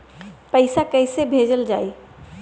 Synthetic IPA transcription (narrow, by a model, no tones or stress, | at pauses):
pəɪsakəɪsebʱed͡ʒəld͡ʒa̰ːi